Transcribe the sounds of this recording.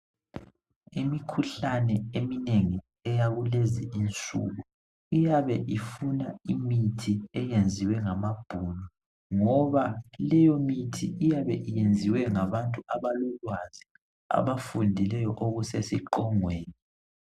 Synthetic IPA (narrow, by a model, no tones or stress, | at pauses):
imikʰuɬanɛemineŋi | ɛjaɣuleziint͡sʼṵɣu | ijaβɛʔifunaimitʰiɛjend͡zʱiwɛŋamab̥ʱunɔ | ŋɔβalɛjɔmitʰḭijaβɛʔijend͡zʱiwɛŋaβantʼuaβalɔlwazi | a̰βafundʱilɛjɔʔoɣusesiǃɔŋweːni